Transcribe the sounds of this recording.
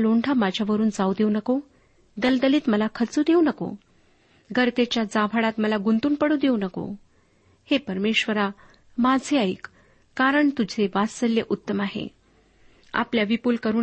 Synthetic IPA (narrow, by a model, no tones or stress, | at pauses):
loɳɖʱamad͡ʑʱjaʋəɾuːnd͡zawd̪eunəko | d̪əld̪əliːt̪məlakʰət͡suːd̪eunəko̰ | ɡəɾt̪et͡ɕjad͡zabʱaɽat̪məlaɡunt̪uːnpəɽuːd̪eunəko̰ | hepəɾmeɕʋəɾa | mad͡zʱeaiːk | kaɾəɳt̪ud͡zʱeʋaəljeʔut̪ːəmaɦḛ | a̰pljaʋipuːlkəɾuː